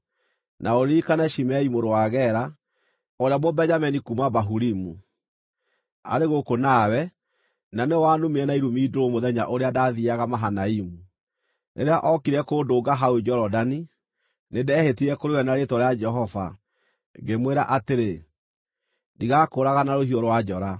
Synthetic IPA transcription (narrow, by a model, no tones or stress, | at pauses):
nʔaoɾikanɛʃimɛimoɾowaːɣɛɾa | oɾeamobɛɲamɛnikumabaɦuɾimu | a̰ɾeɣokonawɛ | nanewaːnumeɛnaiɾumiːdoɾomoðɛɲa̰ʔoɾeadaðiaɣamaɦanaimu | nʔḛɾeaʔɔkiɾɛkoːdoːɡaɦaod͡ʒɔɾɔdani | nedeɛhetiɛkoɾewɛnaɾetɔɾead͡ʒɛɦɔva̰ | ŋɡemweɾa̰ʔateɾe | ndiɣakoːɾaɣanaɾoɦiɔɾwad͡ʒɔɾa